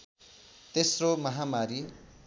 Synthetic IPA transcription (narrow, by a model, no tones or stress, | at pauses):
t̪esromʌɦamaɾi